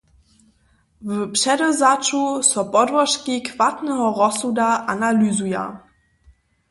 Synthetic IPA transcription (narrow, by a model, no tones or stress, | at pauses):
vəpʃɛdɔzat͡ʃusɔpɔdvɔʃkikv̥atnɛɦɔʁɔsudaʔanalyzuja̰